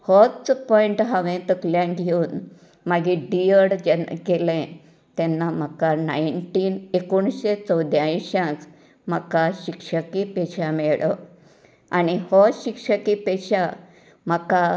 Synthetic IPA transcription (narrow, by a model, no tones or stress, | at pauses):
hɔt͡spɔiɳʈɦãʋẽt̪əkljãnɡʱeuːn | maɡĩɖijəɽd͡ʑɛnɡelẽ | t̪ɛnːam̤akanajɳʈiːnekoɳɕet͡səwd̪jãjɕjãs | m̤akaɕikʂəkipeɕamɛɭə | a̰nihɔɕikʂəkipɛɕa | m̤aka